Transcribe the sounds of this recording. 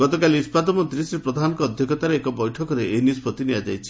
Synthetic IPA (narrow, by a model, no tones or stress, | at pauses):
ɡɔt̪ɔkalispad̪ɔmɔnt̪ɾisɾepɾɔd̪ʱanɔkɔːd̪ʱjɔkɔt̪aɾeekɔbɔjʈʰɔkɔɾeʔenispɔt̪iniad͡ʒajt͡ʃʰi̥